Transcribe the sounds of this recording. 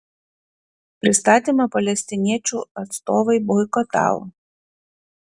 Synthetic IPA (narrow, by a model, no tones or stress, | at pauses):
pɾʲɪst̪at̪ʲɪmɐpɐlʲɛsʲt̪ʲɪnʲɛt͡ʃuɐt̪st̪ɔʋɐjbɔjkɔt̪ɑ̰lˠ